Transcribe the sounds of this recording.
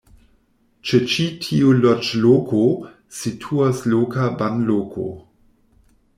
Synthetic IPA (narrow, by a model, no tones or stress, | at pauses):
t͡ʃet͡ʃitʰiulot͡ʃlokʰo | sitʰuaslokabanlokʰo̰